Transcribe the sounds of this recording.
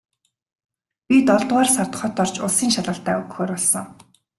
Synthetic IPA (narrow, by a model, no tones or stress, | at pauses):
pʲit̪ɔɮt̪waːrsart̪̆χɔt̪ɔr̥t͡ɕʊɮsiːŋʃaɮə̆ːɬt̪æːɵɣxoːrpɔɮsɞ̆ŋ